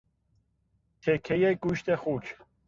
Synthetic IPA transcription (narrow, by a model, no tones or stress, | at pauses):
t̪ʰekʰːejeɡ̥uːʃt̪exut͡ʃʰ